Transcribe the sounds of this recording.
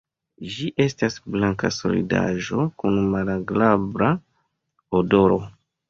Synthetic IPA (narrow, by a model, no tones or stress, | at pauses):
d͡ʒiʔe̞stasblaŋka̰so̞̰lḭda̰ʒo̞kunmalaɡlabɾa | odo̞ɾo̞